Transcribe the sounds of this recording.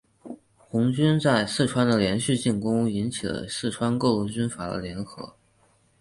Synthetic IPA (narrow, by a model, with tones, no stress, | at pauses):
xʊ˧˥ŋt͡ɕy˥nt͡sa˥˧ɪsɹ̩˥˩ʈ͡ʂʰwa˥nd̪ə˨ljɛ˧˥nɕy˥˧t͡ɕi˥˩nkʊ˥ŋi˧˥nt͡ɕʰi˨˩lə̰˦sɹ̩˥˩ʈ͡ʂʰwa˥nkɤ˥˧lu˥˩t͡ɕy˥nfa˨˩d̪ə̰˦ljɛ˧˥nxɤ̰˧˥